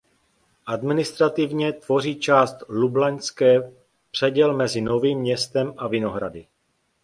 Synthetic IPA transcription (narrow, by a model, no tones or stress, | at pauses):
ʔad̪mɪnɪst̪ɾat̪ɪvɲɛt̪vo̞riːt͡ʃaːst̪lublaɲskɛː | pr̝̥ɛɟɛlmɛzɪno̞viːmɲɛst̪ɛmʔavɪno̞ɦɾa̰dɪ